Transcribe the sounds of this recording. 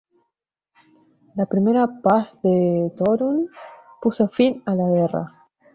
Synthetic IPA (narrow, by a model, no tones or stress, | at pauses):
lapɾimeɾapasðet̪oɾunpusofinalaɣera̰